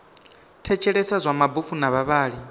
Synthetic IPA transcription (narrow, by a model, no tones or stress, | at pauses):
tʰɛt͡ʃʰɛɺɛsazʷamabufunaβaβaːɺi